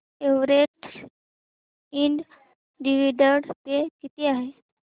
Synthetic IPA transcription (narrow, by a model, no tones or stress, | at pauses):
eʋɾeʈs | iɳɖ | ɖiʋiɖəɾɽpekit̪iːaɦe